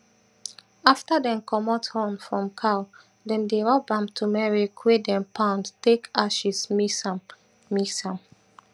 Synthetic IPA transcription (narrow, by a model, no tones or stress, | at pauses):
aftadɛ̃mkʰɔmɔthɔ̃nfɹɔ̃mkʰaʊ | dɛ̃ndeɹɔbãmtʰumɛɹikʰwedɛ̃mpʰãʊ̃ndtekaʃismism | misãm